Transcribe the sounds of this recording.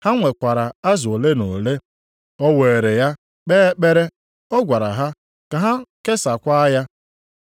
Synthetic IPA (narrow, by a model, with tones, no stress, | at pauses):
ha˦ŋʷe˨kʷa˨ɾa˨a˦zʊ˨le˦no˨le˦ | ɔ˦we˨e˨ɾe˨ja˦ | k͡peː˦e˦k͡pe˦ɾe˦ | ɔ˦ɡʷa˨ɾa̰˨ɦa˦ | ka˨ɦa˦ke˦sa˨kʷa˦ja˦